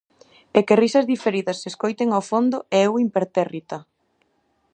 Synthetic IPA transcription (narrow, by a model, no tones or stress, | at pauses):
ɛkerisɐzðifeɾiðɐsːeskojt̪eŋawfond̪ʊeɛwimpeɾt̪erit̪ɐ